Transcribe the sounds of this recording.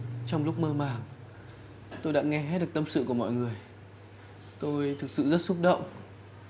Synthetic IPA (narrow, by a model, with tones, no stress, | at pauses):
t͡ɕɔ˧wŋ͡mlʊ˦˥k͡p̚məː˧maː˨˩ŋ | t̪o˧jɗa̰ː˧˥ŋɛ˧hɛ˦˥ɗk̚t̪ə˧msɨ̰˧˨ku˧˩əmɔ̰˧˨jŋɨ˨˩əj | t̪o˧jt̪ʰɨ˨˩k̚sɨ̰˧˨zə˦˥t̚sʊ˦˥p̚ɗə̰˧˨wŋ͡m